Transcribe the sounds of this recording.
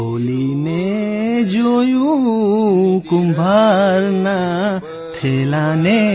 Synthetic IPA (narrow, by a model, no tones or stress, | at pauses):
oline | d͡ʒoju | kumbʱaɾna | t̪ʰelane